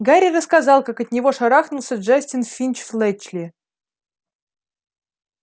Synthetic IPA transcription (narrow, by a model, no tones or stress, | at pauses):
ɡaɾʲirəskazɑlˠkakɐt̪̚ʲnʲɪvoʂaɾaxnʊlˠsʲəʐasʲtʲɪnfʲinʲt͡ɕflˠɛt͡ɕlʲɪ